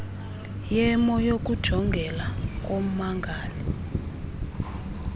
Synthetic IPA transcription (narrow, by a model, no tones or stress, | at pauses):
jɛmɔjok̬ʼud̥ʒ̥ʱɔŋɡʱɛlak̬ʼom̩maŋɡʱaːli